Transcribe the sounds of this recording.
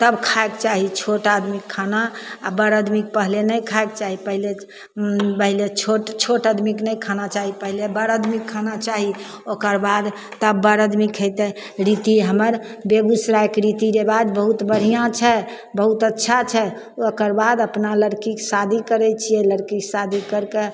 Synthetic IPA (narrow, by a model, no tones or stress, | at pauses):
t̪əbkʰaekt͡ʃaɦit͡ʃʰoʈad̪mikʰːanaːbəɾəd̪mik̚pəɦlenəjkʰaekt͡ʃaɦipəɦile | pəɦilet͡ʃʰoʈt͡ʃʰoʈəd̪miknəjkʰanat͡ʃaɦipəɦilebəɾəd̪ʱmikʰːanat͡ʃaɦi | okəɾbad̪ | t̪əbːəɾəd̪mikɦəjt̪ɛ | ɾit̪iɦəməɾbeɡusɾaekɾit̪iɾebad̪bəɦut̪bəɽ̤ijãt͡ʃʰɛ | bəɦut̪ətːʃʰat͡ʃʰɛ | okəɾbad̪əpnaləɾkiksad̪ʱikəɾɛt͡ʃʰijɛləɾkiksad̪ʱikəɾke